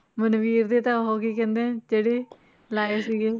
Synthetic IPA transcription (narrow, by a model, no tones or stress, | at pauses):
mənʋiːɾd̪eːt̪ãːɦoːkiːkɛ̃ːnd̪ẽːd͡ʒeːɽeː | laːeːsiːɡeː